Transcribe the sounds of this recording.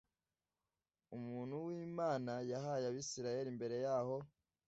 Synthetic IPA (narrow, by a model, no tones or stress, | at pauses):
umuːn̤̥huwiːmaːnajaɦajaβisiɾaje̞ɾimbe̞ɾe̞jaːho̞